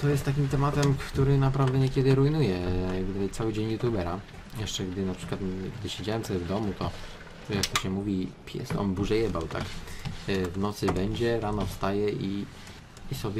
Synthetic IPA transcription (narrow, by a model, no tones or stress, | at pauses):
t̪ɔjɛst̪ːakʲimt̪ɛmat̪ɛmkt̪uɾɘnapɾavd̪ɛɲɛkʲɛd̪ɘɾujnujɛɡd̪ajt̪sawɘd͡ʑeɲjut̪jubɛɾa | jɛʂt͡ʂɛɡd̪ɘnapʂɘ̥kwat̪ɡd̪ɘɕed͡ʑawɛmt̪ɛɛvd̪ɔmut̪ɔ | jak̚t̪ɔɕɛmuvʲipʲjɛ̰sɔ̰nbuʐɛjɛbawt̪a̰k | vnɔt̪sɘbɛɲd͡ʑɛɾanɔfst̪ajɛʔiː | sɔbʲɛ